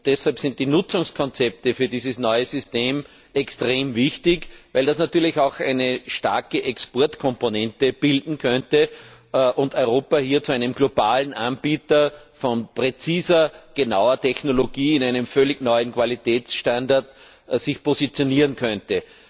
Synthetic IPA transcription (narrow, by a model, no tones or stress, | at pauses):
ʊd̥ɛshalpsɪnt̚td̥iːnʊt͡sʊŋskʰɔnt͡sɛp̚təfyːɐdiːzəsnɔʏəsʏsteːm | ɛkstʁeːmvɪçtɪçvæɪldasnatyːɐlɪçɑʊxʔæ̰ɪnəʃta̰ɐkəʔɛkspɔɐtkʰɔ̃mponɛ̃ntəb̥ɪldn̩kʰœntəʔʊndɔʏʁoːpahiːɐt͡suæɪnəmɡ̥lobaːlən̩ʔanb̥iːtɐfɔnpʁet͡siːzɐɡ̥enaʊɐtʰɛçnoloɡ̥iːɪnæɪnəmfœlɪɡnɔʏənkv̥alitʰɛːt͡sʃtãndaɐt | sɪçpozit͡sjoniːʁənkʰœntə